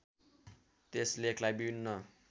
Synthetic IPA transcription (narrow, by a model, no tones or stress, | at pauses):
t̪eslekʰlajbiinːʌ